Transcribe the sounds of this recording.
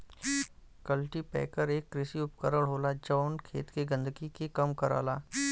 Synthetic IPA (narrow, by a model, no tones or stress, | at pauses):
kəlʈipɛ̰ːkəɾeːkːɾɪsiʊpkəɾəɽɦoːlad͡ʒɔːnkʰḛːt̪keɡə̃nd̪əɡikekɐmkəɾa̰ːlaː